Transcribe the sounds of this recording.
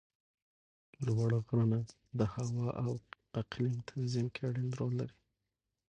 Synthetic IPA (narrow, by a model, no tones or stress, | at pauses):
lwɑɽaɣɾana | d̪əhawɑʔaw | aqlimt̪ʰanzimkʰeaɽind̪ɾolːa̰ɾi